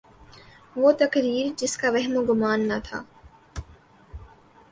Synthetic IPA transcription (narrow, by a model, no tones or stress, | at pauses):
ʋoːt̪ɐkɾiːɾd͡ʒɪskaʋɛɦmoɡʊmaːnːɐt̪ʰa̰ː